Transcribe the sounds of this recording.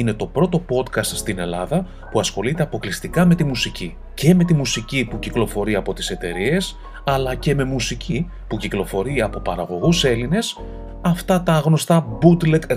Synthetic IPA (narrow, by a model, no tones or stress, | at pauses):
ine̞t̪o̞pɾo̞t̪o̞po̞t̪kɐst̪st̪ine̞lɐðɐ | puɐsxo̞lit̪e̞ɐpo̞klist̪ikɐme̞t̪imusici | ce̞me̞t̪imusicipuciklo̞fo̞ɾiɐpo̞t̪i̥se̞t̪e̞ɾie̞s | ɐlɐce̞me̞musici | puciklo̞fo̞ɾiɐpo̞pɐɾɐɣo̞ɣuse̞line̞s | ɐft̪ɐt̪ɐːɣno̞st̪ɐbud̪lek